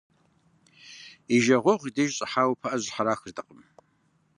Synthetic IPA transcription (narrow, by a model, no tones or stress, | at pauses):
iʒɐʁʷɔʁʷideʒɕʼɐħaːwpʰɐʔɐʑħaɾaːxɨrdʰɐqʼəm